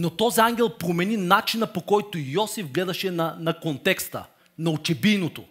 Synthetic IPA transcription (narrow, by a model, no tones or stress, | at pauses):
not̪ɔziaŋɡʲɛlˠpɾomɛninat͡ʃinɐpokɔjt̪ojɔsivɡlɛd̪ɐʃɛnɐnɐkont̪ɛkst̪ə̰ | nɐot͡ʃɛbijnot̪o